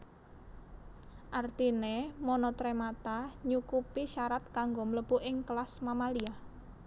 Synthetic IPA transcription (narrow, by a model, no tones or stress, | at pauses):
ʔart̪inemɔnɔt̪ɾemat̪aɲukupiʃaɾat̪̚kaŋɡomələb̥uʔɪŋklasmamalia